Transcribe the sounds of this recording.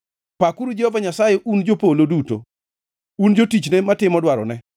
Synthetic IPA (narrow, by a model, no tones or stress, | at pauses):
pakuɾud͡ʒehovaɲasajɛʔund͡ʒopoloduto̰ | und͡ʒotit͡ʃnematɪmɔdwaɾɔ̰nɛ